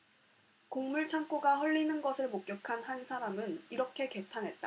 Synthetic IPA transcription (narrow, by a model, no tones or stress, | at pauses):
koŋmuɭt͡ɕʰaŋk͈oɡaɸʌʎːinɯnɡʌsʰɯɭmok̚k͈jʌkʰanɦansʰaɾamɯniɾʌkʰe̞ke̞tʰanɦe̞t̚t͈a̰